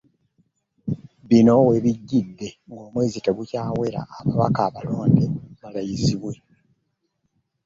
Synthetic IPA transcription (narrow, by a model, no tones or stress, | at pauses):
βino̞we̞βiɟːid̪ːe̞ŋɡo̞ːmwe̞ːziteɡucaːwe̞ɾa̰ʔːβaβa̰kaːβalo̞ːndeβalajiziβwe̞